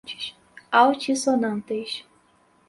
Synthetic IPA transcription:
t͡ʃi̥ʃ | awt͡ʃisonɐ̃nt̪eʃ

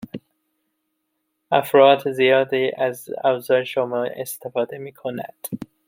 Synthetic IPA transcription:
æfɾɑːd̪zijɒːd̪iʔæzæ̰vzɒːjʃomɑʔḛst̪ʰefɒːd̪emiːkʰonæ̰d̪̥

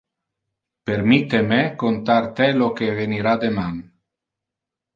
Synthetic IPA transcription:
peɾmit̪emekont̪aɾt̪elokeveniɾad̪eman

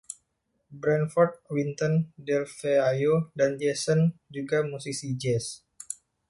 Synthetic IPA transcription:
bɾɛnfɔrt̪̚wint̪ɔndɛlfeajodand͡ʒɛsənd͡ʒuɡamusisid͡ʒɛs

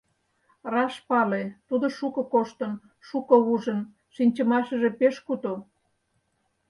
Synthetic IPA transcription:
rɑʃpɑlet̪ud̪ŏʃukŏkoʃt̪ə̆n | ʃukouʒən | ʃinʲt͡ɕə̆mɑʃəʒepeʃkut̪o

